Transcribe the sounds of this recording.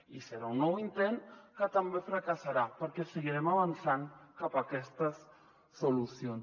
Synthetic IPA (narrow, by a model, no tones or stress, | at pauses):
iseɾaunowint̪enkat̪ambefɾakasaɾapaɾkeseɣiɾemaβ̞anθaŋkapakɛst̪asː | olusjons